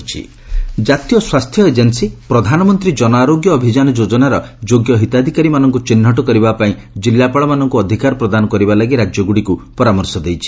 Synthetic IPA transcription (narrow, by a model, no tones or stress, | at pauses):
t͡ʃʰḭ | d͡ʒat̪ijɔswast̪ʰjɔed͡ʒensipɾɔd̪ʱanɔmɔnt̪ɾid͡ʒɔnɔaɾoɡjɔːbʱid͡ʒanɔd͡ʒod͡ʒɔnaɾɔd͡ʒoɡjɔɦit̪ad̪ʱikaɾimanɔŋkut͡ʃinːɦɔʈɔkɔɾibapaĩ | d͡ʒilːapaɭɔmanɔŋkuɔd̪ʱikaɾɔpɾɔd̪anɔkɔɾibalaɡiɾad͡ʒjɔɡuɽikupɔɾamɔɾsɔd̪ejt͡ʃʰi̥